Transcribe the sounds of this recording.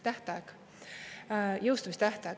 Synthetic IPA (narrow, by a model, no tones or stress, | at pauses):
t̪æht̪ɑeɡ | jɤwst̪umist̪æht̪ɑ